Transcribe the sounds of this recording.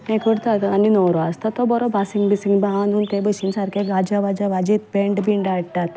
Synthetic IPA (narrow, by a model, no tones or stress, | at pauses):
mẽkʰəɽt̪at̪aninɔwɾɔast̪at̪ːɔbɔɾɔbasiŋɡbisiŋɡbaɦanuːnt̪ebəɕinsaɾkʰeɡad͡ʑaʋad͡ʑaʋad͡ʑit̪̚beɳɖbiɳɖaɽt̪at̪